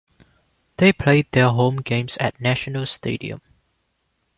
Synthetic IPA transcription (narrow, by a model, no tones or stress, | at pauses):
d̪̥epʰled̚dɛɦõmɡẽmsɛ̰t̚nɛʃənəlstḛdḭə̰̃m